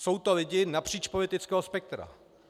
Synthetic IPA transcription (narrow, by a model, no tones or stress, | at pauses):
so̞wt̪o̞lɪɟɪnapr̝̥iːt͡ʃpolɪt̪ɪt͡skɛːɦospɛk̚t̪ɾa̰